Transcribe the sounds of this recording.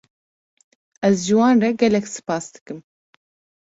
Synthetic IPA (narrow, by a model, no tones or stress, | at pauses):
ɛzʒɨwɑːnrɛɡɛlɛksɨ̥pɑːsd̪ɨ̥kɨm